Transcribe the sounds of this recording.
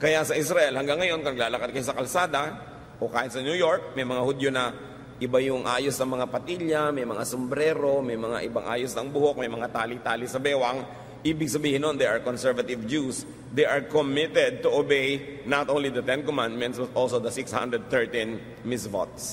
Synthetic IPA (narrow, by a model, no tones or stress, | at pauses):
kɐjasɐʔɪs̬ɾɐʔɛlhɐŋɡaŋːɐjo̞nkɐnɐɡ̚laːlɐkɐd̪̚kɐjosɐkɐlsaːd̪ɐ | ʔokaːhɪt̪̚sɐnjujoɹk̚mɐjmɐŋahʊd̪jonɐ | ʔɪbajʊŋʔaːjosnɐŋmɐŋapɐt̪iljɐmɐjmɐŋasombɾɛːɾo̞mɐjmɐŋa̰ʔɪbaŋʔa̰ːjosnɐŋbʊhok̚mɐjmɐŋat̪aːlit̪aːlɪsɐbɛːwɐŋ | ʔiːbɪɡ̚sɐbiːhɪnond̪ɛʔɐɹkonsɛɹvɐt̪ɪvd͡ʒus | d̪ɛjʔɐɹkomɪt̪ɛd̪̚t̪ʊʔobejnat̪ʔownlid̪ɐt̪ɛnkɔmãnd̪̚mɛ̃nt̪swɐt̪ʔolsod̪ɐsɪkshã̰nd̪ɾɛd̪̚t̪ɛɹt̪ĩn | mɪsvo̰t̪̚s